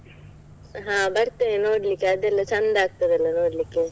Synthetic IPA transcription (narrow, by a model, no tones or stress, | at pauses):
ɦãːbɐɾt̪ːenoːɽɪlikːɐðɛlːɐt͡ʃɐnd̪aːk̚t̪ːɐðɐlːɐnoːɽɪlikːɯ